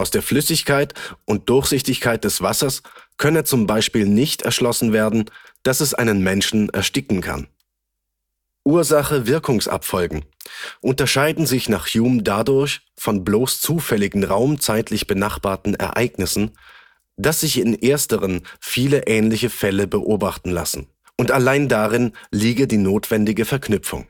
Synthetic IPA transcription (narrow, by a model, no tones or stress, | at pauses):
ʔaʊsd̥eːɐflʏsɪçkʰaɪtʔʊnt̚d̥ʊɐçz̥ɪçtɪçkʰaɪt̚d̥ɛsv̥asɐskʰœnət͡sʊmbaɪʃpiːlnɪçtɛ̰ɐʃlɔsn̩veːɐdn̩d̥asɛsʔa̰ɪnənmɛnʃn̩ɛ̰ɐʃtɪkŋ̩kʰa̰n | ʔuːɐzaχəvɪɐkʊŋsʔa̰pfɔlɡŋ̩ʔʊntɐʃaɪdn̩zɪçnaːχjuːmdadʊɐç | fɔnbloːst͡suːfɛlɪɡŋ̩ʁaʊmt͡saɪtlɪçb̥ənaχb̥aːɐtn̩ɛ̰ɐʔa̰ɪɡnɪsn̩ | d̥asz̥ɪçɪnʔeːɐstəʁ̞ənfiːləʔɛːnlɪçəfɛləbəʔoːbaχtn̩la̰sn̩ | ʔʊntalaɪndaʁɪnliːɡədiːnoːtv̥ɛndɪɡəfɛɐknʏpp͡fʊ̰ŋ